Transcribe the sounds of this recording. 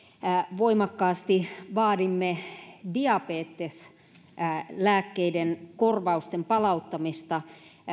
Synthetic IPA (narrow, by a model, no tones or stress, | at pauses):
ʋoimɑkːɑːst̪iʋɑːɾimːediɑpeːt̪ːes | læːkːeidenkorʋɑust̪empɑlɑut̪ːɑmist̪ɑ